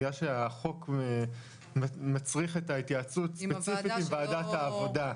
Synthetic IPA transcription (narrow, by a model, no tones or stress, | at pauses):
jaʃeaχo̞k | mmat͡sʁiχetait̪jat͡sutspet͡sifit̪imvaːdathaːvo̞da